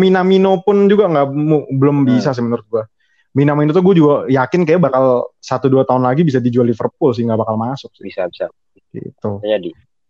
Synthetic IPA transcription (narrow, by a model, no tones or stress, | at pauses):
minaminopʊnd͡ʒuɡaŋɡaʔmubəlʊmbisas̬ɪhmənəɾʊt̪̚ɡua | minaminot̪ʊɡuad͡ʒuɡajakɪnkajabakalsat̪uduat̪aʊnlaɡibis̬adid͡ʒualːifərp̚ʊls̬ɪŋɡabakalmasʊk̚bisabisa̰ | ɡḭt̪ʊd͡ʒadi